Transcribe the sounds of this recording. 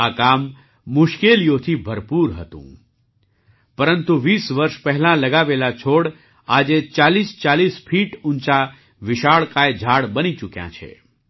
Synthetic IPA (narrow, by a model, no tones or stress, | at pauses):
akamː | ʊʃkelijot̪ʰibʱəɾpuɾɦə̰t̪ṵ̃ | pəɾənt̪uʋisʋəɾʃpɛɦɛlãləɡaʋelat͡ʃʰoɽ | ad͡ʒet͡ʃalist͡ʃalisfʰiʈũnt͡ʃa | ʋɪʃaɭkaed͡ʒʱaɽbənit͡ʃukjã̰t͡ʃʰḛ